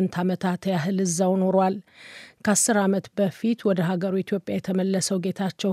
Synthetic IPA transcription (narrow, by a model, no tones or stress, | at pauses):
nt̪ʰamət̪ʰat̪jaɦɨlɨzːawno̞ɾwalkʰasːɨɾamət̪bəfit̪wɔd̪əɦaɡəɾuit̪ʰjo̞pʼjajɛt̪ʰəməlːəsəwɡe̞t̪ʰat͡ʃːɛw